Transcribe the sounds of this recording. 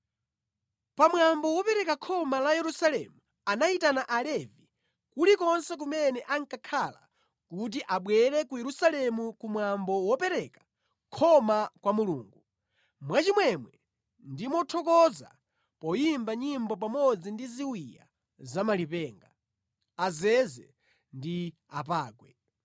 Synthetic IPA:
pamwambɔwɔpɛɾɛkakʰɔmalajɛɾusalɛ̰mu | anaitanaʔalɛvi | kulikɔnsɛk̬umɛnɛʔaŋkakʰala̰ | kut̬iʔaɓwɛɾɛkujɛɾusalɛmukumwambɔwɔpɛɾɛkḁ | kʰɔmakwamuluːŋɡu | mwat͡ʃimwɛmwɛ | ndimɔtʰɔkɔza̰ | pɔjimbaɲimbɔp̬amɔd͡zindiziwija̰ | zamalipɛːŋɡa | azɛzɛ̰ | ndiap̬aːkwɛ

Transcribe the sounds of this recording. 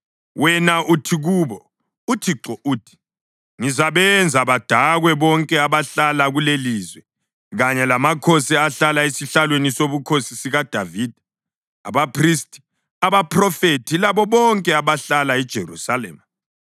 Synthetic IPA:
wɛnaʔutʰiɣuβɔ | utʰiǁɔʔuːtʰi̥ | ŋizaβɛnd͡zʱaβad̥ʱaɣwɛβɔŋkʼɛaβaɬalaɣuleliːzwɛ | ɣaɲɛlamakʰosɛaɬalaesiɬalwenisoβukʰosisiɣad̥ʱaviːd̥ʱa | a̰βapʰristʼi̥ | aβapʰʼrɔfetʰilaβɔβɔŋkʼɛaβaɬalaid̥ʒ̥ʱerṵsalɛ̰ːma

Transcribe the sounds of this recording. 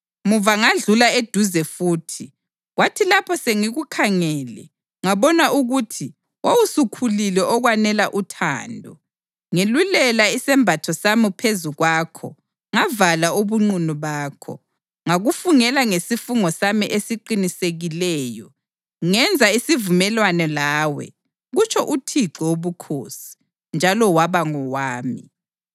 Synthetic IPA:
muvaŋaɮulaed̥ʱuzɛfuːtʰi | ɣwatʰilapʰɔseŋiɣukʰaŋɛːlɛ̰ | ŋaβɔnaʔuɣutʰi | wʔawusukʰulilɛʔɔɣwanɛlaʔutʰa̰ːndʱɔ | ŋelulɛlaisɛmbʱatʰɔsamipʰezuɣwaːkʰɔ̰ | ŋavalauβuŋ͡ǀunuβaːkʰɔ̰ | ŋaɣufuŋɛlaŋesifuŋɔsamiʔesiǃiniseɣilɛːjɔ | ŋɛnd͡zʱaisivumɛlwanɛlaːwɛ̰ | ɣut͡ʃʰɔʔutʰiǀɛoβukʰoːsi̥ | nd͡ʒʱalɔwaβaŋɔwaːmḭ

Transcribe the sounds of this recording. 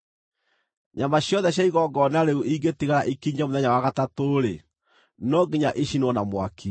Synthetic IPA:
ɲamaɕjɔðɛɕjaiɣɔɡɔnaɾeuʔiɡetiɣaɾaʔikiɲamoðɛɲawaɣatatoːɾe | nɔɡeɲaʔiʃinwɔnamwakʰi

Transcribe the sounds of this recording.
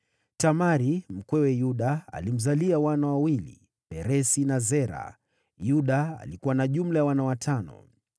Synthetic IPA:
tamaɾim̩kwɛwɛjuɗaa̰lim̩zaliawanawawilḭ | pɛɾɛsinazɛɾa̰ | juɗaa̰likuwanaʄum̩lajawanawatʰanɔ̰

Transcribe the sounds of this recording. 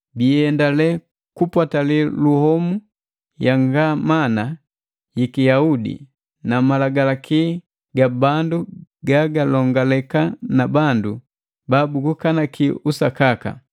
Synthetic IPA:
biɛndalɛ | kupwataliluhɔmu | jaŋɡamana | jikijaudḭ | namalaɡalakʰi | ɡabanduɡaɡalɔŋɡalɛkanabandu | babuɡukanakʰiusakaka̰

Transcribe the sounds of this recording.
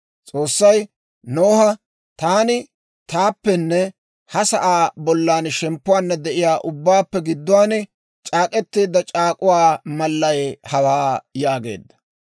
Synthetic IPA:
t͡sʼo̞ːsːɐj | noːhɐ | t̪aːnɪ | t̪aːpːɛnːɛ | hɐsɐʔaːbɔlːaːnʃɛmpːʊwaːnːɐd̪ɛʔɪjaːʔʊbːaːpːɛɡɪd̪ːʊwaːn | t͡ʃʼaːkʼɛt̪ːiːd̪ːɐt͡ʃʼaːkʼʊwaːmɐlːɐjhɐwaːjaːɡe̞̰ːd̪ːɐ̥

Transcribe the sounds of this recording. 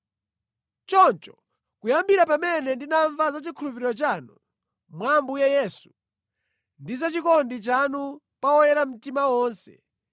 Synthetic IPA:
t͡ʃɔnt͡ʃɔ̥ | kujambiɾapamɛnɛndinaɱvazat͡ʃikʰulup̬iɾiɾɔt͡ʃanu | mwambujɛjɛːsu | ndizat͡ʃikɔndit͡ʃanu | pawɔjɛɾam̩timawɔːnsɛ̰

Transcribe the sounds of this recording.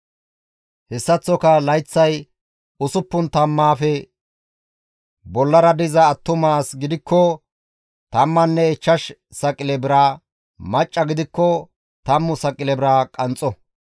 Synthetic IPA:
hɛsːɐt͡sːɔkɐlɐjt͡sːɐj | ʊsʊpːʊnt̪ɐmːaːfɛ | bɔlːɐɾɐd̪ɪzɐːt̪ːʊmaːsɡɪd̪ɪkːɔ | t̪ɐmːɐnːɛɛt͡ʃːɐʃ | sɐkʼɪlɛbɪɾa | mɐt͡ʃʼːɐɡɪd̪ɪkːɔ | t̪ɐmːʊsɐkʼɪlɛbɪɾaːkʼɐnt͡sʼːɔ

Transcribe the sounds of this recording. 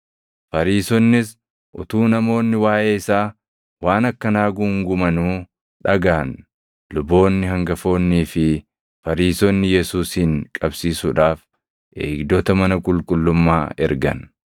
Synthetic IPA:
fɐɾiːsɔnːɪs | ʔʊt̪uːnɐmo̞ːnːɪwaːjʔeːɪsaː | waːnɐkːɐnaːɡʊŋɡʊmɐnuː | ᶑɐɡaːn | lʊbːo̞ːnːɪɦɐŋɡɐfo̞ːnːiːfɪ | fɐɾiːsɔnːɪjɛsuːshɪŋkʼɐbsiːsʊᶑaːf | ʔḛːɡd̪ɔt̪ɐmɐnɐkʼʊlkʼʊlːʊmːaːɛ̰ɾɡɐ̰n

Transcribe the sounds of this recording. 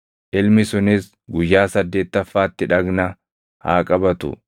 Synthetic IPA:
ʔɪlmɪsʊnɪs | ɡʊjːaːsɐd̪ːe̞ːt̪ːɐfːaːt̪ːɪᶑɐɡnɐ | ha̰ːkʼɐbɐt̪ʊ̰

